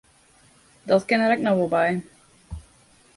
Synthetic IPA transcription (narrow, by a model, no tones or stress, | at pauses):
dɔtkɪnəɾɛknɔʋɔlˠbɛj